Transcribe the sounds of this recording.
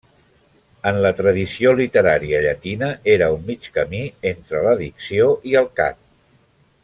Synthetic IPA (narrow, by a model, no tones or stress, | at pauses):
ənlət̪ɾəðisiolit̪əɾaɾiəʎət̪inəʔeɾəummːit͡ʃkəmient̪ɾələðiksioʔiəlˠka̰t̪̚